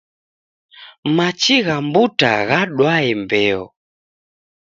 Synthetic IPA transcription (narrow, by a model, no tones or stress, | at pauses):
mat͡ʃiɣambuta̰ɣaɗwaɛmbɛɔ̰